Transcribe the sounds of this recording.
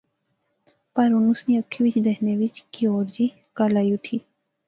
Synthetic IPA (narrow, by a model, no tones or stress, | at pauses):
paɾunusniəkʰiʋit͡ʃd̪ehneʋit͡ɕkioːɾd͡ʑi | kalajuʈʰi